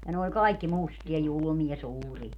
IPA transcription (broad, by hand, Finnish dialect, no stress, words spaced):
jɑ ne olʲ kɑikːi mustiɑ julŭmiɑ suːriɑ